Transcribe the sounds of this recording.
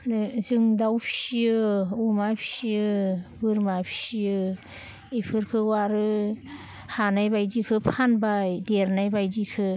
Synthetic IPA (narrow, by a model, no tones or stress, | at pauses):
nzɯŋdawpʰsiɯumapʰi̥siɯbɯɾmapʰi̥sijɯ | ipʰɯɾkʰɯwaɾɯ | hanajbajdikʰɯpʰanbajdeɾnajbajdikʰɯ